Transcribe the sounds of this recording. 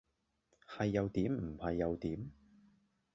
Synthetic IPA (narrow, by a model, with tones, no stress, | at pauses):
hɐ˨jːɐ˨˧wt̪iː˨˥mm̩˨˩hɐ˨jːɐ˨˧wt̪iː˨˥m